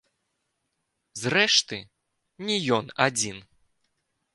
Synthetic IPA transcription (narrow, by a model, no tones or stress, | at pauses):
zrɛʂt̪ɨ | nʲijɔnad͡zʲin